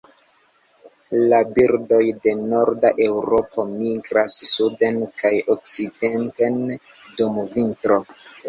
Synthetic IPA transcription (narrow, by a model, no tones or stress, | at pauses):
labiɾdo̞jde̞no̞ɾdaʔe̞wɾo̞pʰo̞miɡɾasːude̞nkajok̚t͡side̞nte̞n | dumvintɾo̞